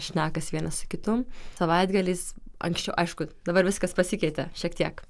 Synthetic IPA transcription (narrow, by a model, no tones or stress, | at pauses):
ʃʲnʲæːkɐsʋʲiɛnɐssʊkʲɪt̪ʊmsɐʋɐɪd̪ɡɐlʲiːsɐ̰ŋksʲt͡ʃʲɛʊʔɐɪʃkʊd̪ɐbɐɾʋʲɪskɐspɐsʲɪkʲɛɪt̪ʲɛʃʲiɛkt̪ʲiɛk